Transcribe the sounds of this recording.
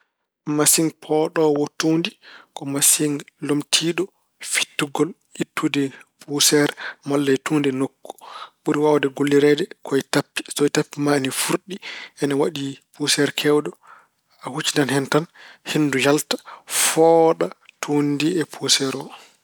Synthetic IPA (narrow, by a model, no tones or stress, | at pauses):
masiŋpʰɔɗɔwɔtundikɔmasiŋlomtʰiɗɔ | fi̥tːuɡɔl | itːudɛpʰusɛɾmalːajtuːndɛnokːu̥ɓuɾiwawadɛɡolːiɾɛdɛkʰɔɛtapːi̥sɔɛtapːimanifuɾɗiʔɛnawaɗipusɛɾkʰɛwdɔ | ahut͡ʃːindanhɛntanhindujaltḁfɔɗatʰundiɛpʰusɛɾɔ